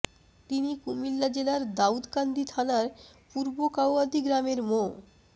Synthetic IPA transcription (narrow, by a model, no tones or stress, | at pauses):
t̪inikumilːad͡ʑelaɾd̪aud̪kand̪it̪ʰanaɾpuɾbokawad̪ʱiɡɾameɾmo